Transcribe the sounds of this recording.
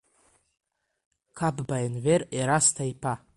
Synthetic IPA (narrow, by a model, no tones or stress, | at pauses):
kʰabbajnvereɾastʰajpʰa